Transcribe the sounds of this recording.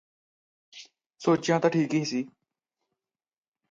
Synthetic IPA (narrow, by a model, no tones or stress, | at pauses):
soːt͡ʃjãːt̪ãːʈʰiːkɪɦisiː